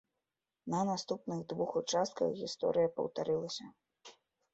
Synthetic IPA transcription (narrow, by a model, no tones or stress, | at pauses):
nɐnast̪upnɨɣd̪vuxut͡ʂast̪̚kɐ̰ɣɣʲist̪ɔ̰ɾɨjɐpɐ̰wt̪aɾɨlˠɐsʲɐ